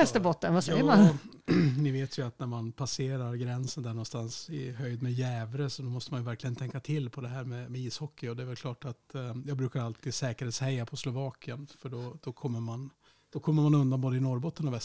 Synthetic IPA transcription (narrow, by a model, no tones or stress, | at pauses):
ɛst̪əbɔt̪ːənvasɛjəman | nɪveːt̪ʰjɵat̪næɾmanpʰaseːɾaɾɡɾɛnsənd̪æɳɔnst̪ansɪ̰ɦœjd̪mɛjɛːvɾəsɔd̪ɔmɔst̪əmanjɵvæɾklɪɡənt̪ʰɛŋkːat̪ʰɪlːpʰɔd̪ɛɦæːɾmɛmɛiːshɔkːɪɔd̪ɛæɾvɛlkʰlɑːʈat̪jɑːɡbɾʉ̟ːkaɾalt̪ʰiːd̪sɛːkəɾheːt̪shɛjːapʰɔslʊvɑːkɪənfœɖɔd̪̥ɔkʰɔmːəɾman | d̪̥ɔkʰɔmːəɾmanɵnd̪anboːd̪əɪnɔɾbɔt̪ːənɔvɛs